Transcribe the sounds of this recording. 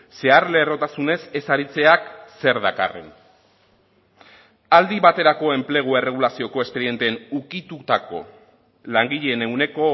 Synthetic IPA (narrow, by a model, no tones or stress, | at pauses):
se̞aɾle̞ːro̞t̪asune̞se̞saɾit͡se̞akse̞ɾðaka̰re̞̰n | ald̪iβat̪e̞ɾako̞e̞mple̞ɣ̞ue̞re̞ɣ̞ulasio̞ko̞e̞spe̞ɾie̞nt̪enukit̪ut̪ako̞̰ | laŋɡiʎene̞wne̞ko̞